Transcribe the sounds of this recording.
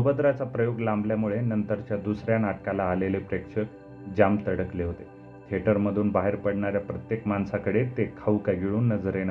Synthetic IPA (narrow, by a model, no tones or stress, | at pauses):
əbəd̪ɾat͡sapɾəjoɡlambljamuɭenənt̪əɾt͡ɕjad̪usɾjanaʈkalaːlelepɾekʂəɾ | d͡ʑamt̪əɽəkleɦot̪e | k̪ʰeʈəɾməd̪ʱuːnbaɦeɾpəɽɳaɾjapɾət̪jekmansakəɽet̪ekʰaukaɡiɭuːnːəd͡zəɾenə